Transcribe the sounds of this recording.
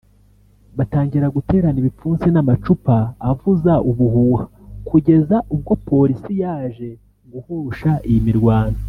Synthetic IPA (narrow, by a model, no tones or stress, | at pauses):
βataːŋɟiɾaɡute̞ːɾaniβip͡fuːnzinamat͡ʃupaːvuzaʔuβuhuːha | kuɟe̞zaʔub̚ɡo̞po̞ɾisijaːʒe̞ | ŋɡuhuɾuʃaijimiɾɡwaːnda